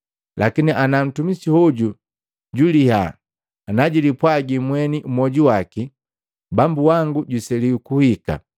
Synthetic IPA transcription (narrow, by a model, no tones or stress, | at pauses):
lakiniʔanam̩tumisihuɟu | ɟuliha̰ː | naɟilipwaɡimwɛniumɔɟuwaki | bambuwaŋɡuɟusɛliukuhika̰